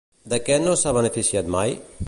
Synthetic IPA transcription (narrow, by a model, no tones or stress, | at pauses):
d̪əkɛnosaβənəfisiat̪maj